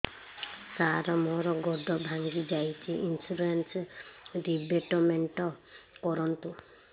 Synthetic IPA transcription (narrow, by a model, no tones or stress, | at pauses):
saɾɔmɔɾɔɡɔɖʱɔbʱaŋɡid͡ʒajt͡ʃʰiʔinsuɾensɾibeʈɔmeɳʈɔkɔɾɔnt̪u